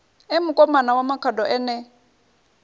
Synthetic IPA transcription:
ɛmʊkʼɔmanawamakʰadɔʔɛnɛ

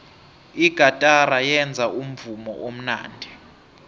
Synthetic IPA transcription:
iɡ̥ʱatʼaɾajɛnd͡zʱaum̩vumɔ̰ʔom̩na̰ːndʱɛ

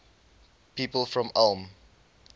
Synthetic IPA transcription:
piːpəlˠfɹɔ̃malˠm

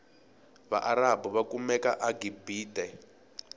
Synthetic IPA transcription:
βa̰ʔaɾabuβakumɛkaʔaɡibiːtɛ

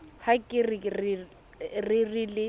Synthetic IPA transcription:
hakʼɪrɪrɪ | rɪrilɪ

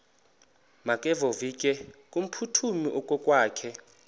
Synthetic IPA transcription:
makʼɛvovikʼɛkʼum̩pʰutʰumiʔɔkʼɔkʼwaːkʰɛ

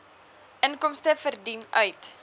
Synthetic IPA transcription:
ʔənkɔmstəfərdinœɥt

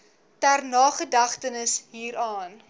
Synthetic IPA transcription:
tærnɑːχədɐχtənəsɦiːɾɑːn

